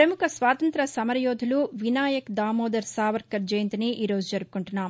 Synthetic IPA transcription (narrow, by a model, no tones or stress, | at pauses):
pɾɐmukʰɐsʋaːt̪ɐnt̪ɾɐsɐmɐɾɐjɔːd̪ʱuluʋinaːjɐkd̪aːmoːd̪ɐɾsaːʋɐɾkːɐɾd͡ʒɐjnt̪iniʔiːɾoːd͡ʒud͡ʒɐɾupu̥kuɳʈunːaːm